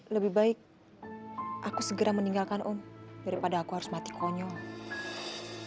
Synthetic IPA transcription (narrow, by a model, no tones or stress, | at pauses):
ləbɪhbaɪk̚ | ʔakusəɡəɾaməniŋɡalkanʔʊmdaɾipadaːkuɦaɾʊ̥smat̪i̥kʰɔɲɔŋ